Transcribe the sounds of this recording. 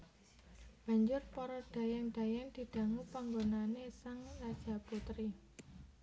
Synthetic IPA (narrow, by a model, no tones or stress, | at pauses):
b̥a̤ɲd͡ʒʊrpɔɾɔɖ̥a̤jɛŋɖ̥a̤jɛnd̪̥i̤d̪̥ä̤ŋupaŋɡonanesaŋrad̥ʒ̥ä̤put̪ɾi